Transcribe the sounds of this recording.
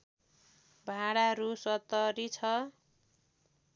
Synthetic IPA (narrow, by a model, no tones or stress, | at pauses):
bʱaɽaɾusʌt̪ʌɾit͡sʰʌ